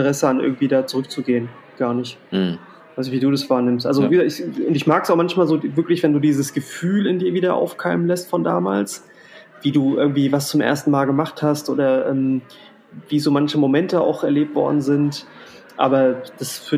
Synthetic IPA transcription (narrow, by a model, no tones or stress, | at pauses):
əʁɛsəanʔɪ̰ɐɡŋ̩tv̥iːdaːt͡suʁʏk̚t͡suɡeːən | ɡ̥aːɐnɪçt | v̥aɪsnɪçv̥iːduːdasv̥aːɐnɪmstʔa̰lzoiːzɪçʊntɪçmaːkəsaʊxmançmaːlzoːvɪɐklɪçv̥ɛnduːdiːzəsɡ̥əfyːlɪndiːɐviːdɐʔa̰ʊfkʰaɪmənlɛstfɔnda̰ːmaːls | v̥iːduːʔɪ̰ɐɡŋ̩tv̥iːvast͡sʊmʔḛɐstn̩maːlɡəmaχthastʔo̰ːdɐʔɛm | viːzoːmançəmomɛntəa̰ʊxɛɐleːp̚tv̥ɔ̰ɐdn̩zɪnt | ʔa̰ːbɐd̥asf